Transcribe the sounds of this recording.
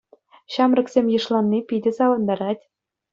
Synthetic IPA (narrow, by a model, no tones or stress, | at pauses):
ɕɑmrʲɘ̆ksʲemʲjɤ̆ʂlˠɑnʲːipʲidʲɘ̆sɑʋɤ̆nd̪ɑɾɑtʲ